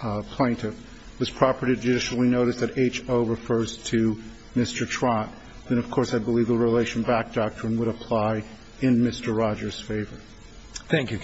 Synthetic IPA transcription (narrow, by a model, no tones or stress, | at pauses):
pʰl̥ẽɪ̃ntʰɪf | wʌz̥pʰɹ̥ɑpə˞ɾiɾɨd͡ʒɨdɪʃl̩ˠinoʊɾɨsðɨɾeɪt͡ʃoʊɹɨfɜ˞z̥tʰɨ | mɪstə˞tʰɹ̥ɑ̃t | ðɨ̃ñʌv̥kʰɔɹsaɪbəlivðəɹileɪʃn̩bæk̚d̥ɑk̚tɹ̥ɨ̃nwəɾəpʰl̥aɪ | ɨ̃nmɪstə˞ɹɑd͡ʒə˞z̥feɪvə˞ | θæ̃ŋkjʉ